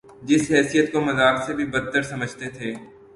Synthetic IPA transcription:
d͡ʒɪsɦɛːsijət̪̚komɐzaːksebʱibɐt̪ːəɾsɐməd͡ʒʱt̪et̪ʰeː

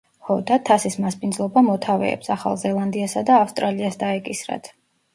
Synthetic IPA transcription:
χɔd̪at̪ʰasismaspʼind̪zlˠɔbamɔt̪ʰavɛ̰ɛ̰psaχa̰lˠzɛlˠand̪iasad̪aːfst̪ʼɾaliasd̪aɛkʼisɾa̰t̪ʰ

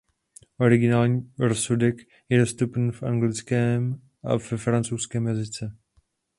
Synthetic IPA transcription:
ʔo̞ɾɪɡɪnaːlɲiːɾosudɛk | jɛdo̞st̪upn̩fʔaŋɡlɪt͡skɛːm | ʔa̰vɛfɾant͡sowskɛːmjazɪt͡sɛ

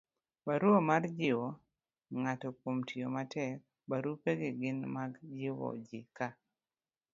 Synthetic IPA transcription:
baɾuomard͡ʒɪwo | ŋatɔkomtʰiomatɛk̚ | baɾupeɡɪɡɪnmaɡd͡ʒɪwɔ̰d͡ʒɪka

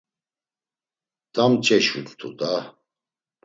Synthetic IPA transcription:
t̪ʼamt͡ʃʰʼɛʃut̪t̪ʰṵt̪a

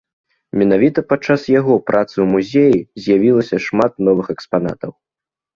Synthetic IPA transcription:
mʲɛnavʲit̪ɐpat͡ʂːasjaɣɔpɾʔat̪sɨwmuzʲejizʲjavʲilˠɐsʲɐʂmat̪̚nɔvɨxɛkspana̰t̪ɐw

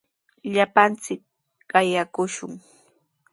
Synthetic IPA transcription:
ʎapant͡sɪk̚ | ɢɑjakʊʃʊ̰ŋ

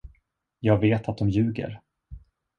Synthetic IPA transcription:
jɑːɡveːt̪ʰat̪̚d̪ɔmjʉ̟ːɡə̰ɾ

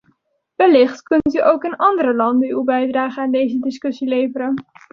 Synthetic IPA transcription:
ʋəlɪχtkɵntyʔowkɪnɑndəɾəlɑndənybɛjdraːχənaːndejzədɪskɵsilejvəɾən

